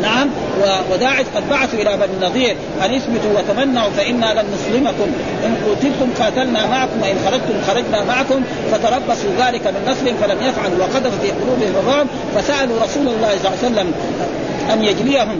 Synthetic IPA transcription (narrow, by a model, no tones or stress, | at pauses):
naʕam | wawad̪aːʕɪʃqɑd̪̚baʕaθuʔɪlabannːɑðˤiːɾ | ʔanɪθbɪt̪uwat̪amanːaʕufaʔɪnːalanːʊsˤlɪmakʊm | ʔɪnquːt̪ɪlt̪ʊmqɑːt̪alnamaʕakʊmwaʔɪnxɑɾˤɑd͡ʒ̚t̪ʊmxɑɾˤɑd͡ʒnamaʕakʊm | fat̪ɑɾˤɑbːɑsˤuðaːlikamɪnːɑsˤlɪhɪmfalamjafʕaluwaqɑd̪affiːqʊluːbɪhɪmɑrˤːɑːm | fasaʔaluɾˤɑsuːlɑlˤːɑːsˤsalːam | ʔanjad͡ʒlijaɦum